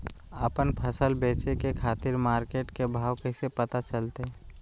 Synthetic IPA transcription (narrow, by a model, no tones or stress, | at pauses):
əpənpʰəsəlbeːt͡ʃekekʰaːt̪ɪɾmaːɾkeːʈkebʱaːwkesepɐt̪at͡ʃəlt̪e